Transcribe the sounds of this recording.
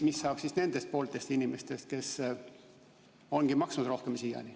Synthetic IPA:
misːɑːb̥sisne̞nd̪̥e̞st̪̚po̞ːlt̪ˑe̞st̪inime̞st̪e̞st̪̚ke̞s | o̞nɡ̥imɑksnud̪̥ro̞hke̞msijɑ̰nʲi

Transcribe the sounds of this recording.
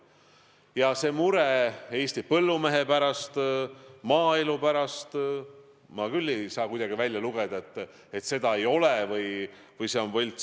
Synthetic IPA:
jɑse̞muɾeeːst̪ipɤlːume̞ɦe̞pæɾɑst̪mɑːelupæɾɑst̪ | mɑkylʲːe̞jsɑːkujd̪̥ɑɡ̥ivælʲjɑluɡ̥ed̪̥ɑet̪ːˑ | e̞t̪ːse̞d̪ɑe̞jo̞levɯj | vɯjseo̞nvɤlʲt̪

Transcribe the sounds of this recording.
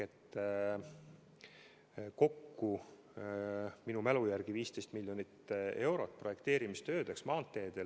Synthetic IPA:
et̪ː | ko̞kːu | minumælujærɡ̥iviːst̪e̞jst̪milʲːjo̞nit̪ːe̞wɾo̞t̪̚ːˑpro̞je̞kt̪e̞ːɾimist̪ø̞ːd̪̥eksmɑːnt̪ːˑe̞ːd̪̥e̞l

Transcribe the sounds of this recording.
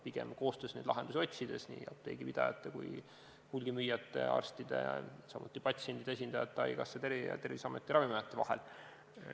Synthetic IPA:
piɡ̥ḛmko̞ːst̪øsneːd̪lɑɦend̪̥us̬o̞t̪ʲsid̪̥e̞snḭːɑ̰p̚t̪e̞̰ːɡ̥ipid̪ɑ̰jɑ̰t̪ːekṵj | hulʲɡ̥imyjːɑt̪ˑːe̞̰ɑ̰rst̪id̪̥e̞̰ɑ̰sɑmʔut̪ːˑipɑt̪sie̞nʲd̪̥id̪eesind̪ɑjɑt̪ːˑeɑ̰jkɑsːet̪e̞rjɑ̰t̪e̞rvisɑmet̪ːˑiɾɑvimɑjɑt̪ːˑevɑhḛl

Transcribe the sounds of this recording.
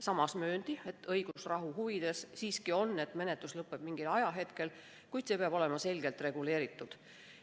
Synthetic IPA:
sɑmɑsmø̞ːnd̪̥ie̞t̪ːɤjɡ̥usrɑɦuɦuvid̪̥e̞ssiːskio̞nːe̞t̪ːˑme̞ne̞t̪luslɤpːˑeb̥miŋɡ̥ilɑjɑɦe̞t̪ke̞l | kujd̪se̞ːpeɑbo̞le̞mɑse̞lɡ̥e̞lt̪re̞ɡ̥ule̞ːɾit̪ːˑud̪̥

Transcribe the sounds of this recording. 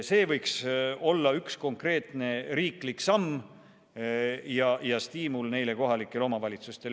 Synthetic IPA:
se̞ːvɤjkso̞lːɑyksko̞ŋkre̞ːt̪ˑne̞ɾiːkliksɑmː | jɑjɑst̪iːmulne̞jle̞ko̞ɦɑlikːˑe̞lo̞mɑvɑlʲit̪sust̪e̞l

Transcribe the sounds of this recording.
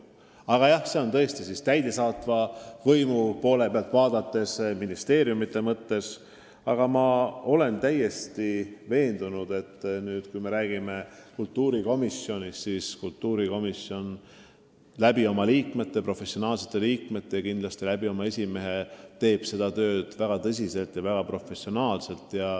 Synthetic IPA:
ɑɡ̥ɑjɑhse̞o̞nt̪ɤ̞est̪isist̪æjd̪e̞sɑːt̪vɑvɤjmupo̞ːle̞peɑlt̪ˑvɑːd̪ɑt̪ːe̞sminist̪e̞ːɾjumit̪ːˑe̞mɤt̪ːe̞s | ɑɡ̥ɑmɑo̞le̞nt̪æje̞st̪ive̞ːnd̪̥unud̪̥e̞t̪ːnyːd̪̥kujme̞ɾæːɡ̥ime̞kult̪ːuːɾiko̞misjo̞nʲissiskult̪ːuːɾiko̞misjo̞n | læbio̞mɑliːkme̞t̪ːe̞pro̞fe̞sio̞nɑːlse̞̥t̪ːˑe̞liːkme̞t̪ːejɑkind̪lɑst̪ilæbio̞mɑe̞sʲime̞ɦe̞t̪e̞ːb̥se̞d̪̥ɑt̪ø̞ːd̪̥væɡ̥ɑt̪ɤs̬ʲise̞lt̪jɑvæɡ̥ɑpro̞fe̞sio̞nɑːlse̞lt̪ˑjɑ

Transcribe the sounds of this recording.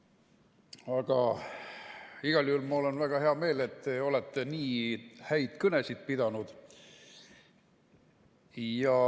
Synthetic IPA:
ɑɡ̥ɑ | iɡ̥ɑlʲhulmɑo̞lenvæɡ̥ɑhe̞ɑme̞ːle̞t̪ːeo̞let̪ːeniːhæjd̪̥kɤne̞sid̪̚pid̪ɑnud̪̥ | jɑ

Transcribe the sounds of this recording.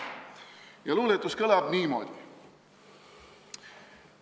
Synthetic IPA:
jɑluːlet̪ːˑuskɤlɑbniːmo̰d̪̥i

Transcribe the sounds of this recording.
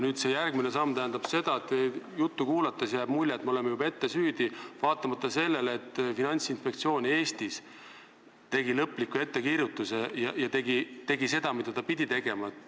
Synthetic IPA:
nyːd̪se̞jærɡ̥mine̞sɑmːt̪æɦːnd̪ɑb̥se̞d̪̥ɑet̪ejut̪ːukuːlɑt̪ːˑesjæːb̥mulʲːeet̪ːmeo̞le̞mejub̥ɑe̞t̪ːe̞syːd̪̥ivɑːt̪ːˑɑmɑt̪ːˑɑse̞lːe̞let̪ˑːfinɑnʲt̪sinspe̞kt̪sio̞ːnʲie̞ːst̪is | t̪e̞ɡilɤpːˑlikːue̞t̪ːe̞kiːɾjut̪ːˑusejɑjɑt̪e̞ɡ̥it̪e̞ɡise̞d̪̥ɑmit̪ːed̪̥ɑpid̪ʲit̪e̞ɡ̥e̞mɑt̪

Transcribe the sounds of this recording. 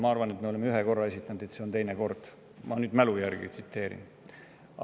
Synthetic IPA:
mɑɑrvɑne̞t̪me̞olemeyɦeko̞rːɑesit̪ːˑɑnud̪̥et̪seont̪e̞jneko̞rd̪̥ | mɑnyːd̪̥mælujærɡ̥ḭt̪si̥t̪ːe̞ːɾḭn

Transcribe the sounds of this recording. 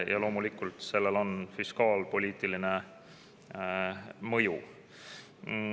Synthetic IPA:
jʔɑ̰lo̞ːmulikːˑult̪se̞lːe̞lo̞nfiskɑːlpo̞lʲiːt̪ˑiline | mɤju

